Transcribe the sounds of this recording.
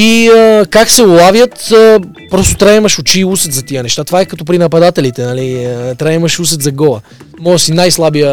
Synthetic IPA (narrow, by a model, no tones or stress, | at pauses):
iəkaksɛʊlˠavjət̪ə | pɾɔst̪ot̪ɾaɛmɐʃʊt͡ʃiusət̪zɐt̪iənɛʃt̪at̪ovaɛkɐt̪ɔpɾinɐpɐd̪at̪ɛlit̪ɛnɐlit̪ɾaɛməʃusət̪zɐɡɔlˠə | mɔəsinajslˠabijə